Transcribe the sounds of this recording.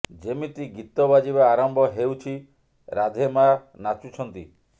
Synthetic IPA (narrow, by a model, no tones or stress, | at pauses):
d͡ʒemit̪iɡit̪ɔbad͡ʒibaːɾɔmbʱɔɦewt͡ʃʰi | ɾad̪ʱemanat͡ʃut͡ʃʰɔnt̪i